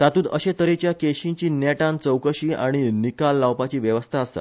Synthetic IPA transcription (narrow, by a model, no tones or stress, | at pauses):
t̪at̪uːt̪əɕet̪əɾet͡ɕjakeɕĩɲt͡ɕiːnjɛʈãnt͡səwkəɕiːʔaɽ̃inikalːawpat͡ɕiːʋjəʋəst̪ʰaːsa̰